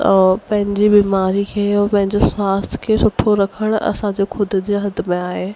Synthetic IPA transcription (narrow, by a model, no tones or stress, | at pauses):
pɐ̃ɦɪ̃ɲd͡ʑibiːmaːɾikʰeːpɐ̃ɦɪ̃ɲd͡ʑeswaːst̪ʰkʰeːsʊʈʰoɾɐkʰəɽ̃ɐ̰sãd͡ʑeːxʰʊd̪ʱʊ̆d͡ʑeːɦɐd̪̆ʱmẽaːɦeː